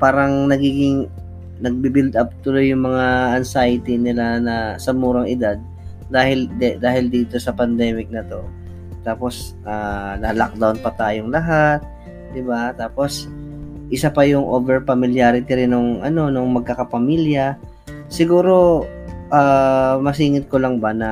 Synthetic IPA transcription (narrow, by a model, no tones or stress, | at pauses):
paːɾɐŋnɐɡiːɡɪŋ | nɐɡ̚bibɪld̪ʔɐp̚t̪ʊlojːʊŋmɐŋaɐnsajɪt̪inɪlanɐsɐmuːɾɐŋɪd̪ad̪̚ː | aːhɪld̪aːhɪld̪iːt̪o̞sɐpɐnd̪ɛːmɪk̚nɐt̪o̞ | t̪aːpo̞sʔanɐlak̚d̪awnpɐt̪aːjoŋlɐɦat̪̚ | d̪ɪbat̪aːpo̞s | ʔɪsapɐjʊŋʔoːbɛɹpɐmɪljaɾɪt̪iɾɪnoŋʔɐ̰no̞noŋmɐɡ̚kɐkɐpɐmiljɐ | sɪɡuːɾo̞ʔaːmɐs̬iːŋɪt̪̚kolɐŋbɐnɐ